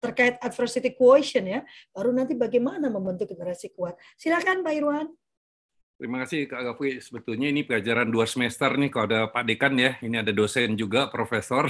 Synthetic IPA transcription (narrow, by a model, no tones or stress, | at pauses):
t̪ərkaɪt̪̚atfərsit̪ikuoisiənjab̥aɾunant̪ibaɡajmanaməmbənt̪uk̚ɡənəɾasikuat̪̚ | silakanbaiɾuan | tt̪əɾimakasɪhkaɡafuisəbət̪ulɲainipəɡad͡ʒaɾanduasəmɛst̪ərnɪhkaloadapadekanjainiadadosɛnd͡ʒuɡapɾofesɔr